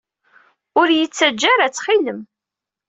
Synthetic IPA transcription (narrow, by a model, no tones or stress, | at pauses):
ʊɾjət͡sːæd͡ʒːaɾæt͡sːχiləm